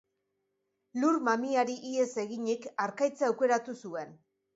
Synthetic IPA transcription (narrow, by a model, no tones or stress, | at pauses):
lurmamiaɾiʔie̞se̞ɣiɲikaɾkajt͡saawke̞ɾat̪usue̞n